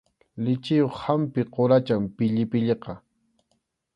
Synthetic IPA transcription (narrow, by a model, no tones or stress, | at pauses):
lɪt͡ʃɪjoχhampɪqoɾat͡ʃampɪʎɪpɪʎeqɑ